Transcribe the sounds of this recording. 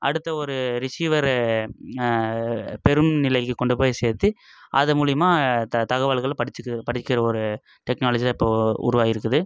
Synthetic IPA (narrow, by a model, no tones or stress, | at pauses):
ʔɐ̰ɽɯt̪ːɐɔɾɯɾɪsiːʋɐɾ | pɛɾɯmnɪlɐɪkːɯkɔɳɖɯpoːjseːɾt̪ːɯ | ʔɐ̰ðɐmuːlɪjɐmaːt̪ɐɣɐʋaɭɣɐɭpɐɽɪt͡ʃːɯkːpɐɽɪkːɪɾɐɔɾɯ | ʈɛknaːlɐd͡ʒilaɪpːoːʊ̰ɾʊʋaːjɪɾɯkːɐðɯ